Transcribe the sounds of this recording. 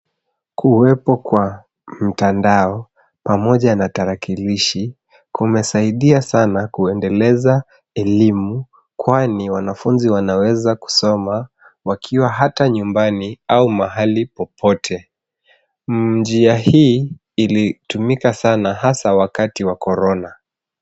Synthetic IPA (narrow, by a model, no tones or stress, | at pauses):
kʰuwɛpɔkwa | m̩tandaɔ | pamɔʄanataɾakiliʃi | kumɛsaiɗiasanakuɛndɛlɛza | ɛlimu | kwaniwanafunziwanawɛzaku̥sɔma | wakʰiwaɦataɲumbaniaumaɦalipɔpʰɔtʰɛ | d͡ʒiahiː | litumikasanahasawakatiwakɔɾɔna